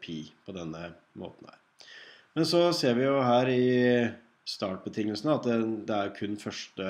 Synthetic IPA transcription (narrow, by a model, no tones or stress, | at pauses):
pʰiːpʰɔd̪ɛnːə | mo̰ːt̪n̩hæ̰ːɾ | mɛnsɔseːɾʋɪjʊɦæːɾɪ | st̪ɑːʈ̚bət̪ʰɪŋːəlsənəɑt̪ɛd̪ɛæɾkʰʉnːfœʂʈə